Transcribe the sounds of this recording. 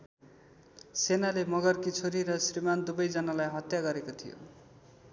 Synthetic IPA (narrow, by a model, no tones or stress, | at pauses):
senalemʌɡʌrkit͡sʰoɾiɾʌsrimand̪ubʌjd͡zʌnalajɦʌt̪jaɡʌɾekot̪ʰijo̰